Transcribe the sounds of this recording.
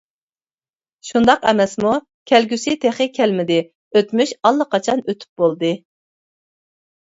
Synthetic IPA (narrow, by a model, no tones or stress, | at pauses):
ʃund̪ɑqɛ̰mɛsmu | kʲʰɛlɡʲysɪt̪ʰeχɪkʲʰɛlmɪd̪ɪ | øt̪myʃɑlˠːəqʰɑt͡ʃʰɑnøt̪ʰy̥p̚bolˠd̪ɨ